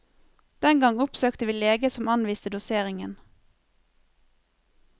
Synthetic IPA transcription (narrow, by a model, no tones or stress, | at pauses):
d̪̥ɛŋɡɑŋʊpsøːkt̪əʋiːleːɡəsɔmɑnʋiːst̪əd̪ʊseːʁɪŋən